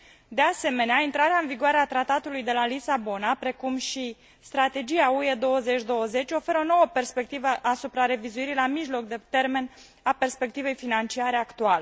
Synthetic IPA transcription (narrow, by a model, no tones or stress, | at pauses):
d̪e̞ase̞me̞neaint̪ɾaɾeaɨnviɡuaɾeat̪ɾat̪at̪ulujd̪e̞lalisabo̞napɾe̞kumʃi | st̪ɾat̪e̞d͡ʒiaue̞d̪o̞wəze̞t͡ʃʲd̪o̞wəze̞t͡ʃʲo̞fe̞ɾəono̞wəpe̞rspe̞k̚t̪ivəʔasupɾaɾe̞vizuiɾilamiʒlo̞k̚d̪et̪e̞rme̞n | ape̞rspe̞k̚t̪ive̞jfinant͡ʃiaɾe̞akt̪uale